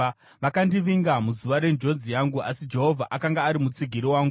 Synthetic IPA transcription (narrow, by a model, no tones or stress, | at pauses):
ʋakandiʋiŋɡamuzuʋaɾe̞nd͡ʒo̞d͡zijaŋɡuasid͡ʒe̞ɦo̞vʱaʔakaŋɡaːɾimut͡siɡʱiɾiwaːŋɡu